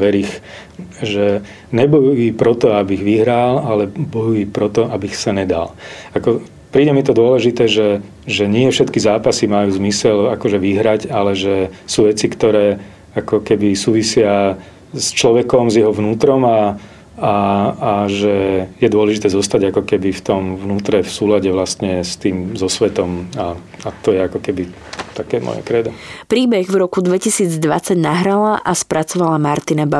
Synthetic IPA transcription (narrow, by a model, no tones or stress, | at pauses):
ʋɛɾix | ʒɛ | ɲɛbɔjujipɾɔt̪ɔabiɣʋiɦɾalalɛbɔjuipɾɔt̪ɔabixsaɲɛd̪a̰lakɔ | pɾiːɟɛmit̪ɔd̪ʊɔlɛʒit̪ɛːʒɛ | ʒɛɲɪɛfʃɛt̪kizaːpasimajuːzmisɛlakɔʒɛʋiɦɾaɟalɛʒɛsuːʋɛt͡sikt̪ɔɾɛː | akɔkɛbisuːʋisɪa | st͡ʃlɔʋɛkɔmzjɛɦɔʋnuːt̪ɾɔma | aː | ʒɛjɛd̪ʊɔlɛʒit̪ɛːzɔst̪aɟakɔkɛbift̪ɔmʋnuːt̪ɾɛfsuːlaɟɛʋlast̪ɲɛst̪iːmzɔsʋɛt̪ɔma | at̪ɔjɛakɔkɛbi | t̪akɛːmɔ̰jɛ̰kɾɛd̪ɔpɾiːbɛɣvɾɔkud̪ʋɛcisiːd͡zd̪ʋa̰t͡saɟnaɦɾalaʔaspɾat͡sɔʋalamaɾt̪inaba